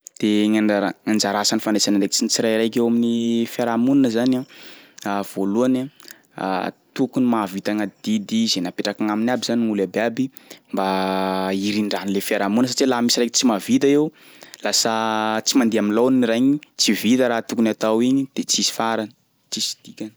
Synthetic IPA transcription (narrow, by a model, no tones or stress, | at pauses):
d̪̥eŋaaaŋand͡ʒaɾasanifanesanaɳrekt͡sint͡siɾajɾajkewaminifaɾamuninəzanaav̥oluana̰ | t̪ukunimavit̪aŋad̪id̪izenapeʈ͡ʂakaŋaminabizaniŋulabeabi | mba | iɾiɳɖ͡ʐanilefaɾamunəs̬aʈ͡ʂilaɦmisirajkt͡simavit̪aew | lasət͡simand̪iaminlowninirajɲit͡sivit̪əɾat̪ukunat̪awiɲid̪̥et͡sisi̥faɾan | t͡sisi̥d̪̥ikʲani